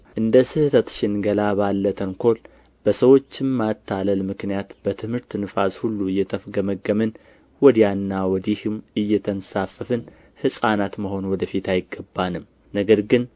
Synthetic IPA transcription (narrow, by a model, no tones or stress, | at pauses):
ʔɨnd̪əsɨhɨt̪ʰət̪ʃɪnɡəlaβalːət̪ʰənkʰo̞l | b̥əsəwo̞t͡ʃːɪmmat̪ʰːaləlmɨknijat̪b̥ət̪ʰɨmhɨɾt̪nɨfashulːuɨjːɛt̪ʰəfɡəməɡəmɨn | wɔd̪ijanːawɔd̪ihɨmɨjːɛt̪ʰənsafːəfɨn | hɨsʼanat̪məho̞nwɔd̪əfit̪ajɪɡːəbːanɨm | nəɡəɾɡɨn